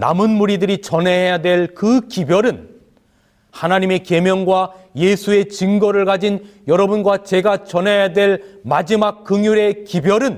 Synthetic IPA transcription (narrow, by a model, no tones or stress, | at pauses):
na̰mɯnmuɾidɯɾit͡ɕʌneɦejadwe̞ɭkɯkibjʌɾɯn | hanaɲime̞ke̞mjʌnɡwaje̞sʰue̞t͡ɕiŋɡʌɾɯɭɡad͡ʑinjʌɾʌbunɡwat͡ɕe̞ɡat͡ɕʌnɦejadwe̞ɭmad͡ʑimak̚k͈ːɯŋjuɾe̞kibjʌɾɯn